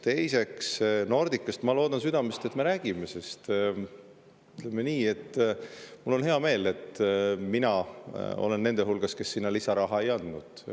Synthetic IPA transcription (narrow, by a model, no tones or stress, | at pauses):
t̪e̞jse̞ksno̞rd̪̥ikːˑɑst̪mɑlo̞ːd̪ɑnsyd̪̥ɑmest̪e̞t̪me̞ɾæːɡ̥ime̞se̞st̪ | yt̪le̞mːeniːe̞t̪ːˑmulːo̞nɦe̞ɑme̞ːle̞t̪minɑo̞̰le̞nːe̞nd̪eɦulɡ̥ɑske̞sːinːɑlisɑɾɑɦɑe̞jɑnd̪̥nud̪̥